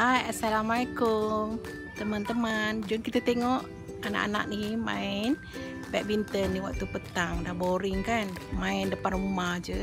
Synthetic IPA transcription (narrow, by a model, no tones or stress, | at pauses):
ajasalamaaekum | t̪əmant̪əmand͡ʒʊnkit̪at̪eŋɔʔ | ana̰ʔa̰na̰ʔnima̰in | bɛʔ̚bint̪ənːiwak̚t̪upət̪aŋdahboɾiŋkanmaindəpanumad͡ʒə